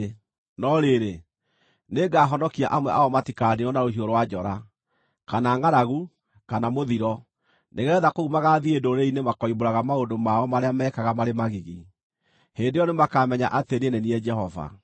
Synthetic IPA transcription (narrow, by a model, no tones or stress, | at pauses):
nɔɾeɾe | neɡaːɦɔnɔkia̰ʔamwɛʔaɔmatikaniɔnaɾoɦioɾowad͡ʒɔɾa | kanaːŋaɾaɣu | kanamoðiɾɔ | neɣɛːðakoɣumaɣaðiedoɾeinemakɔiboɾaɣamaondomaɔmaɾeamɛːkaɣamaɾemaɣiɣi | heːndejɔnemakamɛɲa̰ʔatenenɛniɛd͡ʒɛhɔva̰